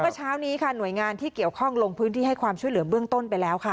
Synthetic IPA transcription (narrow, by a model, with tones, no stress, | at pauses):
mɯ˥˩t͡ɕʰaː˦˥wniː˦˥kʰa˥˩nu˨˩əjŋaː˧nt̪ʰiː˥ki˨˩əwkʰɔ˥˩ŋlo˧ŋpʰɯː˦˥nt̪ʰiː˥˩ɦa˥˩jkʰwaː˧mt͡ɕʰu˥˩əjlɯ˩˦bɯ˥˩əŋt̪o˥˩npa˧jlɛː˦˥wkʰa˥˩